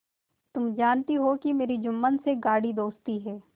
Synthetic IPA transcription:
t̪ʊmd͡ʒaːnt̪iɦokimeːɾid͡ʒʊmːənseɡaːɽid̪oːst̪iɦɛː

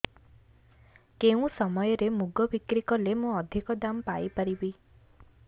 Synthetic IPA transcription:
keũsɔmɔjɔɾemuɡɔbikɾikɔlemũɔd̪ʱikɔd̪ampajipaɾibi

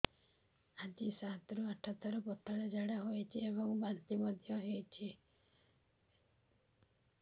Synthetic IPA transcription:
ad͡ʒisat̪ɾuaʈʰɔt̪ʰɔɾɔpɔʈʰːɔɽed͡ʒaɽaɦojt͡ʃʰiebɔŋbant̪imɔd̪ʱjɔɦet͡ʃʰi

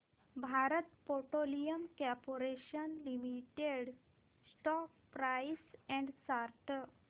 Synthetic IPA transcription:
bʱaɾət̪poɾʈolijəmkɛɾpoɾeɕənlimiʈeɽ | sʈɔk̚pɾajisɛ̃ɳɖsaɾʈ

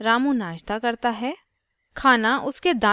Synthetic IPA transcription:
ɾaːmũnaːʃt̪akɐɾt̪aɦɛː | kʰaːnaʔʊsked̪ãː

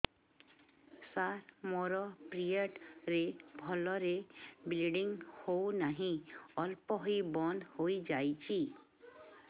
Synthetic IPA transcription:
saɾmoɾɔpɾieʈɾebʱɔlɔɾebilɖiŋhownaɦĩɔlpɔɦojbɔnhojd͡ʒajt͡ʃʰi

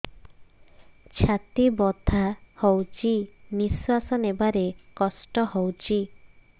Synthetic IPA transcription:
t͡ʃʰat̪ibɔt̪ʰahowt͡ʃʰimiswasɔnebaɾekɔsʈɔhowt͡ʃʰi

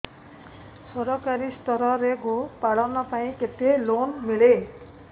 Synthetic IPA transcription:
sʌɾʌkaɾist̪ʌɾʌɾeɡopaɽʌwnʌpaĩket̪elonmile

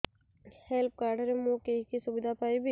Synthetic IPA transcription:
hɛlp̚kaːɾɖəɾemũkekisʊbɪd̪ʱapaːibʱi

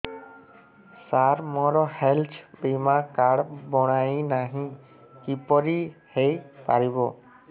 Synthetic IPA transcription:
saɾmɔɾɔhelt͡ʃʰbimakaɽbɔɽ̃ainaɦĩ | kipɔɾihejpa̰ɾibɔ

